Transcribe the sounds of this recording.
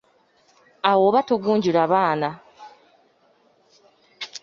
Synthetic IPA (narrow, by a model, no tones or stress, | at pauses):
awoːβatoɡuːɲɟilaβaːna